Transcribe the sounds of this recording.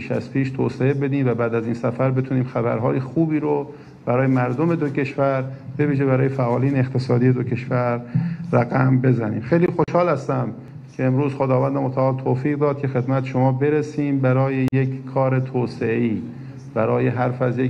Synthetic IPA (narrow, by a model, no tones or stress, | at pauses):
iːʃæ̰zpʰiːʃt̪ʰoːseebe̞d̪iːmvæbæːd̪æziːnsæfæɾbe̞t̪ʰuːniːmxæbæ̰ɾɦɒːjexuːbiːɾo | b̥æɾɒːjemæɾd̪ome̞d̪oce̞ʃvæɾb̥e̞viːʒebæɾɒːjefæʔɒːliːneeqt̪ʰe̞sɒːd̪ijed̪ocʰe̞ʃvæɾːæɣæmbe̞zænḭːmxejliːxo̞ʃhɒːlhæst̪æm | cʰeːmɾuːz̥xod̪ɒːvænd̪emot̪ʰæɒːlt̪ʰoːfiːɣd̪ɒːd̪̥̚kʰe̞xe̞d̪mæt̪ʰʃomɒːbe̞ɾesiːmbæɾɒːjejekkʰːɒːɾe̞t̪ʰoːseiː | b̥æɾɒːjeɦæɾfæzje